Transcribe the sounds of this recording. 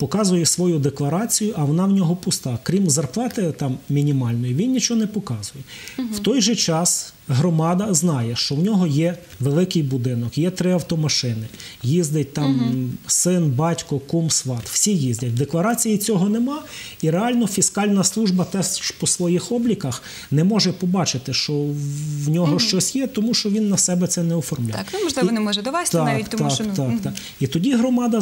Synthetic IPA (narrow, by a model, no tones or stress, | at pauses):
pɔkɑzʊjɛsʋɔjud̪eklˠɐɾɑt͡sʲijʊʔɐʋɔnɑwnʲɔɦɔpʊst̪ɑkɾʲimzɐrplˠɑt̪ɪt̪ɑmmʲinʲimɑlʲnɔjiʋʲinnʲit͡ʃɔɔnɛpɔkɑzʊjɛ | wt̪ɔjʒɛt͡ʃɑs | ɦɾɔmɑd̪ɐznɑjɛʃt͡ʃɔwnʲɔɦɔjɛ | ʋelˠɪkɪjbʊd̪ɪnɔkjɛt̪ɾɪɐwt̪ɔmɐʃɪnɪjizd̪ɪt̚ʲt̪ɑmsɪnbɑtʲkɔkumsʋɑt̪w̥sʲijizʲdʲɐt̚ʲd̪eklˠɐɾɑt͡sʲijit͡sʲɔɦɔnemɑiɾeɑlʲnɔfʲiskɑlʲnɐslˠuʒbɐt̪ɛspɔsʋɔjixɔblʲikɐx | nɛmɔʒɛpɔbɑt͡ʃɪt̪ɪʃt͡ʃɔwnʲɔɦɔʃt͡ʃɔsʲjɛt̪ɔmuʃt͡ʃɔʋʲinːɐsɛbɛt̪sɛnɛɔfɔrmlʲajmɔʒlˠɪɔnɛmɔʒɛɔʋasʲt̪ɑik̪t̪ɑɑkt̪ɑk | it̪ɔdʲiɦɾɔmɑd̪ɐ